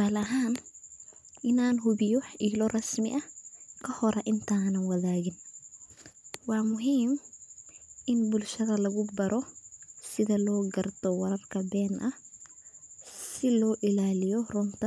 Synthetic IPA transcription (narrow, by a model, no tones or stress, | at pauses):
aːlɐɦaːn | ʔɪnaːnɦʊβɪjɔħiːlɔrɐsmɪ̰ʔɐkʰɐhɔɾɛʔɪnt̪ʰaːnɐnwɐðaːɣɪn | wɑːmʊɦiːm | ʔɪnbʊlʃɐðɐlɐɣʊbɐɾɔsɪðɐlɔːɡɐrt̪ʰɔwɐɾɐrkʰɐbɛːnʔɐh | sɪlɔːʔɪlaːlɪjɔrʊnt̪ʰɐ